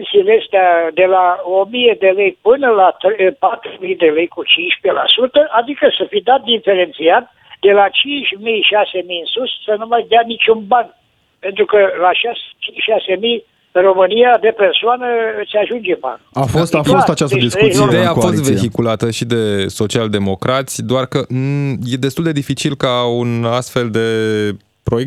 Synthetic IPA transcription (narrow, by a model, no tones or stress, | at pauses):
nsileest̪ead̪e̞lao̞mije̞d̪e̞le̞jpɨnəlat̪ɾpat̪ɾumijd̪e̞le̞jkut͡ʃinʃpela̰sut̪əʔad̪ikəsəfid̪at̪̚d̪ife̞ɾe̞nt̪siat̪ | d̪e̞lat͡ʃint͡ʃʲmijʃase̞mijɨnsussənumajd̪eanit͡ʃʲunban | pe̞nt̪ɾukəlaʃast͡ʃiʃase̞mij | ɨro̞mɨnijad̪e̞persoanəseaʒund͡ʒeba̰nuafostt̪afost̪at͡ʃast̪əd̪isuid̪eakofsit̪vve̞çikulat̪əʃid̪e̞so̞t͡ʃiald̪e̞mo̞kɾat̪sʲd̪oarkəje̞d̪est̪uld̪e̞d̪ifit͡ʃilkaunast̪fe̞ld̪e̞ | pɾo̞je